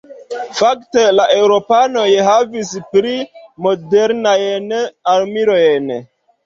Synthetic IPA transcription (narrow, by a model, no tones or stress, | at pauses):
fakte̞laʔe̞wɾo̞pano̞jɦavispɾimo̞deɾnajnalmiɾo̞jn